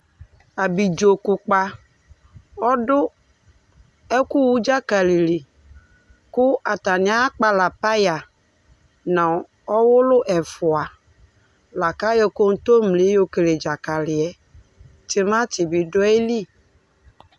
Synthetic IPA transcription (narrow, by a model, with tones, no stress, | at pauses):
a˨bi˨d͡ʒo˨kʊ˨k͡pa˦ | ɔ˦dʊ˦ | ɛ˦ku˦wu˦d͡ʒa˦ka˨li˨li˨ | kʊ˦a˨t̪a˨ɲɪ˨˦ã˦k͡pa˨la˨pa˦ja˨ | nã˨ | ɔ˦wʊ˦lʊ˦ʔɛ˨fʊ˨a˨ | la˨ka˦jɔ˨ko˦ŋ̩˦t̪o˦mle˨˦jo˦ke˨le˨d͡ʒa˨ka˨lɪ˨ɛ˨ | tɪ˦mã˦tɪ˨bi˨ɖʊ˦e˦li˦˨